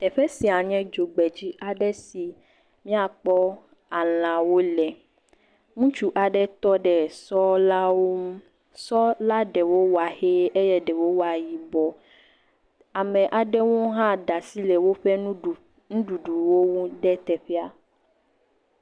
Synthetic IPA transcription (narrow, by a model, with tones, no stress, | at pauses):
t̪ɛ˨ɸɛ˦si˨a˨ɲɛ̃˦d͡ʒo˨ɡ͡bɛ˨d͡ʑi˦ʔa˨ɖɛ˦si˨ | mĩ˦a˨k͡pɔ˦ | a˨l̃ã˨wo˦lɛ˨ | ŋũ˦t͡ʃu˦ʔa˨ɖɛ˦t̪ɔ˦ɖɛ˨sɔ˦la˦wo˦m˦ | sɔ˦la˦ɖɛ˨wo˦wa˨he˦e˦jɛ˦ɖɛ˨wo˦wa˨ji˨bɔ˨ | a˨mɛ̃˨ʔa˨ɖɛ˦wo˦ɦã˦ɖa˨si˦lɛ˨wo˦ɸɛ˦nũ˦˨ | nũ˦ɖu˨ɖu˨wo˦wu˦ɖɛ˦t̪ɛ˨ɸɛ˦a˨